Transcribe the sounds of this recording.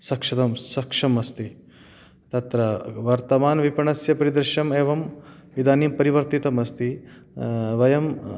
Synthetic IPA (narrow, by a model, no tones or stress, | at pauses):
sɐkʂɐt̪ɐmsɐkʂɐmɐst̪i | t̪ɐt̪ɾɐʋɐɾt̪ɐmaːnʋipɐɳɐsjɐpɐɾid̪ɾɪʃɐmeːʋɐmid̪aːniːmpɐɾiʋɐɾt̪it̪ɐmɐst̪i | ʋɐjɐm